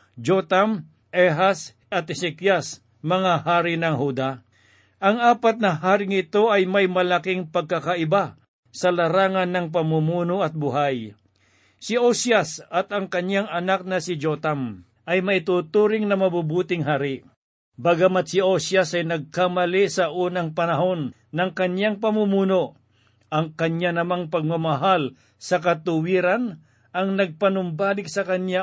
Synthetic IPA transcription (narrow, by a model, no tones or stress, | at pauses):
d͡ʒot̪am | ʔɛɦas | ɐt̪̚ɛsɛkjas | mɐŋahaːɾɪnɐŋɦud̪a | ʔɐŋaːpɐt̪̚nɐɦaːɾɪŋɪt̪o̞ɐjmɐjmɐlɐkɪŋpɐɡ̚kɐkaʔɪba | sɐlɐɾaːŋɐnːɐŋp̬ɐmumuːnoʔɐt̪̚bʊɦaj | sɪosjasɐt̪ɐŋkɐɲjaŋɐnak̚nɐsɪd͡ʒot̪am | ʔɐjmɐʔɪt̪uːt̪uːɾɪŋnɐmɐbubuːt̪ɪŋɦaːɾɪ | baɡamɐt̪̚sɪosjasɐjnɐɡ̚kamɐlisɐʔuːnɐŋpɐnɐɦo̞nː | ɐŋkɐɲjaŋpɐmumuːno | ʔɐŋkɐɲjanɐmaŋpɐɡ̚mɐmɐɦal | sɐkɐt̪ʊwiːɾan | ɐŋnɐɡ̚pɐnʊmbaːlɪk̚sɐkɐɲja